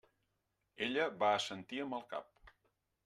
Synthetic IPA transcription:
eʎəβaəsənt̪iəmbəlˠka̰p̚

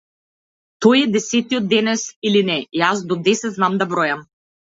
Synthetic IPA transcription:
t̪ɔjɛd̪ɛsɛt̪iɔd̪̚ːɛnɛsilinɛjasd̪ɔd̪ɛsɛt̪znamd̪abɾɔjam

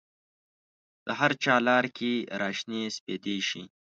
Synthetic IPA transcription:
d̪̥əɦaɾt͡ʃɑːlɑːɾkʰeɾɑːʃnespeːd̪eʃḭ

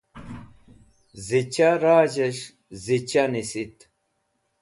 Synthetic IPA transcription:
zit͡ɕaɾaːd͡ʑeɕ | zit͡ɕanisit̪

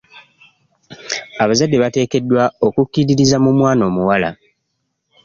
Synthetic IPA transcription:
aβazadːe̞βate̞ːke̞dːwao̞kukːiɾiɾizamumwaːno̞ːmuwala̰

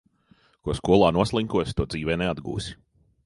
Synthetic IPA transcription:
kuɔskuɔlˠaːnuɔslˠiŋkuɔst̪uɔd̪ziːvɛːnɛad̪ɡṵːsi̥

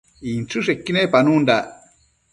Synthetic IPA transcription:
int͡susekːinepanund̪a

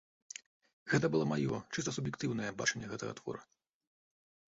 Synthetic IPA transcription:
ɣɛt̪ɐbɨlˠɔmajɔ̰t͡ʂɨst̪ɐsubjɛkt̪ɨwnɐjɛbat͡ʂɛnʲːɛɣɛt̪ɐɣɐ̰t̪vɔ̰ɾɐ

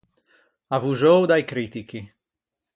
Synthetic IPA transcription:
avuʒowd̪ajkɾiːt̪iki

